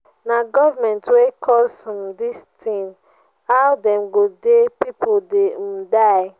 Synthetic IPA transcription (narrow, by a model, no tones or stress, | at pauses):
naɡɔvamɛ̃ntwekʰɔsɔ̃mdistʰĩn | awdɛ̃mɡodepipodedaɪ